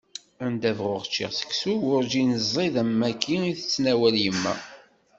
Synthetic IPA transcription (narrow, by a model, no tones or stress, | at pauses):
ænd̪ævʁʊʁt͡ʃːḭʁsə̥ksuʊɾd͡ʒinəzˤːiðæmːækʰːiiθə̥t͡sːnæwæljəmːæ̰